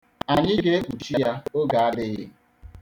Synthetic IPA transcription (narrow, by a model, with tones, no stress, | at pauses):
a˨ɲɪ˦ɡɾe˦kʷu˨t͡ʃi˦ja˦o˦ɡa˨a˦dɪ˦ɣɪ̰˦